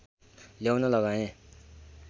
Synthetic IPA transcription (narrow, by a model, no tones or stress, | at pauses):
ljawnʌlʌɡaẽ